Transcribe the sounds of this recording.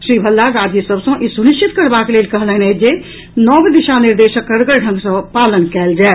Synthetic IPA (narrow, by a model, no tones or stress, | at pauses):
ʃɾiːbʱəlːaɡaːd̪ʱisəbsə̃ʔisunɪʃt͡ʃɪt̪kəɾbakeleːlkəɦlɛ̃ɦnd͡ʒe | nɔːbd̪ɪʃanɪɾd̪eːʃəkːəɾɡəɾɖʱə̃ŋɡsə̃paːlənkɛːld͡ʒaː